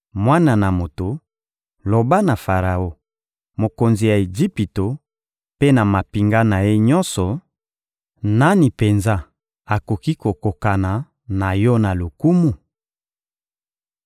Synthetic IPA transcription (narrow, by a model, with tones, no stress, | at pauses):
mwa˦na˨na˨mo˨to˨ | lo˨ba˦na˨fa˨ʁa˨o˦ | mo˨ko˨nzi˨ja˨e˨d͡ʒi˦pi˨to˨ | pe˦na˨ma˨pi˨ŋɡa˦na˨je˦ɲɔ˦nsɔ˨ | na˦ni˨pe˨nza˦ | a˨ko˨ki˦ko˨ko˨ka˨na˨ | na˨jɔ˦na˨lo˨ku˦mu˨